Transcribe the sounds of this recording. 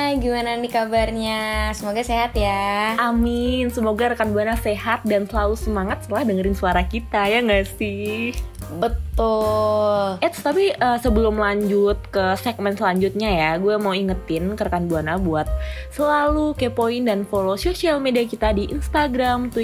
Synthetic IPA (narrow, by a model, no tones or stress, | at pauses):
ɡimananikabarɲasəmoɡaseɦat̪jaamɪnsəmoɡaɾəkanbuanasehat̪̚dansəlalusəmaŋat̪̚sət̪əlahdəŋəɾɪnsuaɾakit̪ajaŋɡasih | bət̪ʊlʔɛt̪t̪apiʔəːsəbəlʊmlaɲd͡ʒʊt̪̚kəsɛk̚mɛnsəlaɲd͡ʒut̪̚ɲajaɡuamauiŋət̪ɪnkəɾəkanbuanabuat̪̚ | səlalukepoindanfolososialmediakit̪adiʔinst̪aɡɾamt̪u